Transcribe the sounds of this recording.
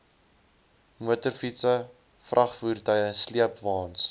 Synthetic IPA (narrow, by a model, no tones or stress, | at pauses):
muətərfitsə | frʔɐχfuːrtəjəsliəpvɑːns